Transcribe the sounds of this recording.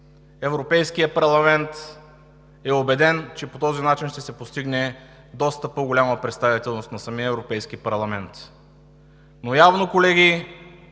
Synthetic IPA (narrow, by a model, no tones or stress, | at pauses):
ɛvɾopɛjskijəpɐɾlˠɐmɛnt̪ | ɛobɛd̪ɛnt͡ʃɛpot̪ɔzinat͡ʃinʃt̪ɛsɛpost̪iɡnɛ | d̪ɔst̪əpoɡolʲaməpɾɛt̪st̪ɐvit̪ɛlˠnost̪nɐsɐmiəɛvɾopɛjskipɐɾlˠɐmɛnt̪ | nojavnokolɛɡi